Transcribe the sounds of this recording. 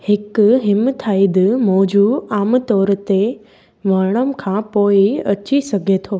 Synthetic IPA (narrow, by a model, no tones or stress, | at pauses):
hɪkɦɪmt̪ʰːaːid̪mɔːd͡ʑuaːmt̪ɔːɾt̪e | ʋəɽ̃əmkʰãːpoːiət͡ʃisəɡʱet̪ʰoː